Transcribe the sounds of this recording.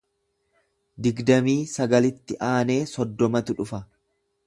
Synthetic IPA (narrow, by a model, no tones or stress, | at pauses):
d̪ɪɡd̪ɐmiːsɐɡɐlɪt̪ːɪʔaːne̞ːsɔd̪ːɔmɐt̪ʊᶑʊfɐ